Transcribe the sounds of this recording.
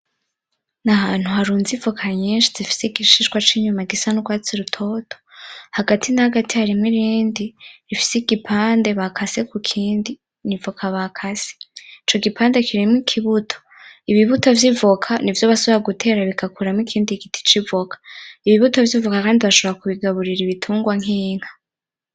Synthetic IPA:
nahaːn̥huhaɾuːnzivokʰaɲeːnʃizifi̥seiɡiʃiʃɡwat͡ʃiɲumaɡisanuɡwaːt͡siɾutʰo̞tʰo̥haɡatʰinahaɡatihaɾimŋiɾiːndiɾifi̥seɡipʰaːnde̞βakʰase̞kukʰiːndi | nivokʰaβakʰase̥it͡ʃo̞ɡipaːnde̞kʰiɾimŋikʰiβutʰo̥ | iβiβuto̞vjivukʰanivjoβasoβiɾaɡutʰe̞ːɾaβikakuɾamŋikʰiːndiɡiti̥t͡ʃivokʰḁiβiβuto̞vjivukakaːndiβaʃoβoɾakuβiɡaβuɾiɾiβitʰuːŋɡwaŋ̥iːŋ̥hḁ

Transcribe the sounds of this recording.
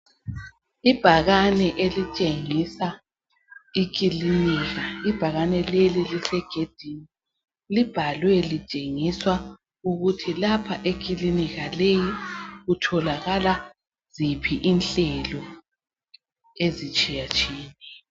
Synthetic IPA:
ib̥ʱaɣanɛʔelit͡ʃʼeŋisa | ik̬ʼiliniɣaib̥ʱaɣanɛlelilisɛɡ̥ʱed̥ʱini | lib̥ʱalwɛlit͡ʃʼeŋiswa | uɣutʰilapʰaʔekʰʼiliniɣalejiɣutʰɔlaɣala | z̥ipʰiʔinɬɛlɔ | ezit͡ʃʼijat͡ʃʼiːniɛ

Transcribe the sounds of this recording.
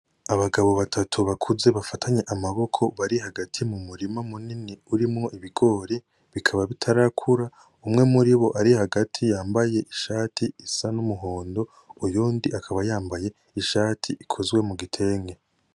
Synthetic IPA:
aβaɡaβo̞βatʰatʰuβakʰuze̞βafatʰaɲe̞ʔamaβo̞kʰo̞βaɾihaɡatʰimumuɾimamuniniuɾimŋo̞ʔiβiɡo̞ːɾe | βikʰaβaβitʰaɾakʰuɾa | umŋe̞muɾiβo̞ʔaɾihaɡatʰijaːmbaje̞ʔiʃaːtʰiːsanumuɦo̞ːndo̞ | ujuːndiakʰaβajaːmbaje̞ | iʃaːtʰiʔikʰo̞zwe̞muɡitʰe̞ːŋɡe̞

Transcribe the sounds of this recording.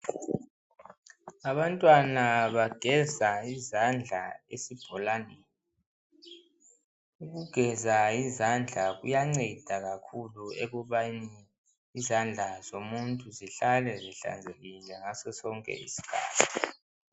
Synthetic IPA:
aβantʼwanaβaɡ̥ʱɛzaizand͡ɮʱaesib̥ʱɔlaːni | uɣuɡ̥ʱɛzaizand͡ɮʱaɣṵjaŋ͡ǀɛd̥ʱaɣakʰulueɣɔβaniː | zand͡ɮʱazomuntʼuziɬalɛzɛɬa̰nd͡zʱeɣilɛŋasɔsɔŋkʼɛ̰ḭsi̥kʰa̰ːtʰi̥

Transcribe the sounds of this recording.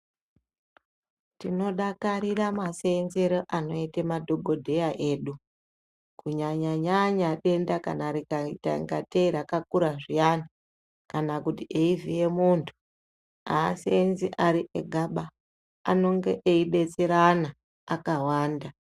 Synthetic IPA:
tino̞ɗakaɾiramasenzeɾoʔano̞itemadʱo̞ɡʱo̞dʱe̞jaʔe̞ːɗu | kuɲaɲaɲaɲaɗe̞ndaka̰naɾikaita̰ŋɡateɾakakuɾaʐijani | kanakutiʔeivije̞muntʰu̥ | a̰ːsenziʔaɾiʔḛɡʱaɓa | a̰no̞ŋɡe̞̰ʔeiɗe̞t͡se̞ɾanaː | kawaːnda

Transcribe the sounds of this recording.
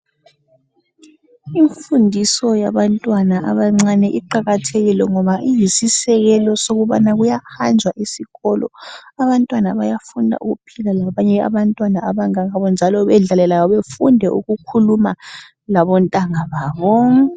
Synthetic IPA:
iɱfundʱisɔjaβantʼwanaʔaβaŋ͡ǀanɛʔiǃaɣatʰeɣilɛŋɔβaʔijisisɛɣɛlɔsoɣuβanaɣujahand͡ʒʱwaʔisiɣɔlʔɔ̰aβantʼwanaβajafundʱa̰ʔuɣupʰilalaβaɲɛa̰βantʼwanaaβaŋaŋaβɔnd͡ʒʱalɔβɛɮalɛlajɔβefundʱɛʔṵɣukʰuluma | laβɔntʼaŋaβaβɔ

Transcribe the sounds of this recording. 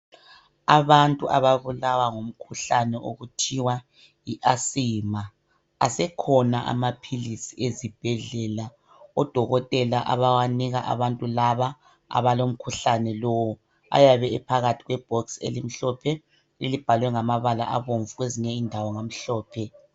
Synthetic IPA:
aβantʼuʔaβaβulawaŋom̩kʰuɬanɛʔo̰ɣutʰiwa | jiʔasiːma | asɛkʰɔnaʔa̰mapʰilisiezib̥ʱɛɮɛla | ɔd̥ʱɔɣɔtʼɛlaʔa̰βawaniɣaʔa̰βantʼulaβa | a̰βalom̩kʰuɬanɛlowɔ | a̰jaβɛɛpʰaɣatʰiɣwɛb̥ʱɔksḛlim̩ɬɔpʰɛ | elib̥ʱalwɛŋamaβala̰ʔaβoɱvuɣweziɲɛindʱawɔŋam̩ɬɔːpʰɛ

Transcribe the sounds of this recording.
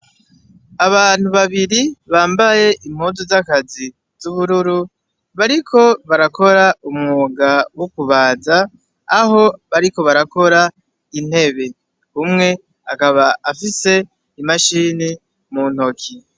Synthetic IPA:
aβaːn̥uβaβiɾiβaːmbaje̞ʔim̥huːzozakazi | zuβuɾuɾu | βaɾikʰo̞βaɾakʰo̞ɾaumŋuːɡawokuβaːzaː | ɦo̞βaɾiko̞βaɾako̞ɾa | in̥he̞βe̞ | kumŋe̞ | akaβaafise̞ | imaʃini | mun̥o̞kʰi

